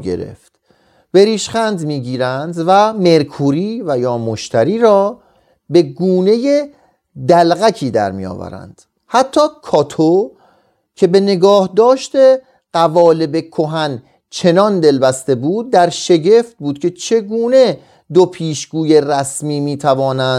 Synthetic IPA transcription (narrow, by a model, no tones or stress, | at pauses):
ḛɾḛft̪ | b̥e̞ɾiːʃχænd̪miːɟiːɾænd̪væme̞ɾkʰuːɾiːvæjɒːmoʃt̪ʰæɾiːɾɒː | be̞ɡuːne̞je | d̪ælɣækʰiːd̪æ̰ɾmḭjɒ̰ːvæ̰ɾæ̰nd̪̥ | hæt̪ʰːɒːkʰɒːt̪ʰo | cʰe̞bene̞ɡɒːhd̪ɒːʃt̪e̞ | ɢ̥ævɒːle̞be̞kʰo̞ɦæn | t͡ʃʰe̞nɒnd̪e̞lbæst̪e̞buːd̪̚ːæɾʃe̞ɟe̞ft̪̚buːd̪̚kʲʰe̞t͡ʃʰe̞ɡuːne̞ | d̪opʰiːʃɡuːjeræsmiːmiːt̪ʰævɒːnæn